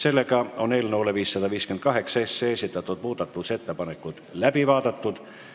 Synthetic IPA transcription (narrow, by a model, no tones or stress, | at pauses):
se̞lːekɑonelʲnoːlːeʋiːsːɑd̪ɑʋiːskyenkɑɦe̞ksɑesːeːsit̪ːˑæt̪ːot̪̚muːt̪ɑt̪ːuse̞t̪ːepɑnekːˑud̪̥læbivɑːd̪et̪ːud̪̥